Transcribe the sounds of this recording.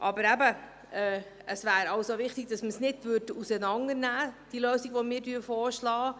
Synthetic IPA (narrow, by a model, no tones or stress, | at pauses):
ʔɑbəɾæbə | ɛː | əsvæːɾɑwsoʋɪχtɪɡ̥̚d̥ɑsməsnɪdvʏɾdəusənɑŋənæːd̥iløːsiɡʋɔmɪːɾdyːfɔːɾʃlɑː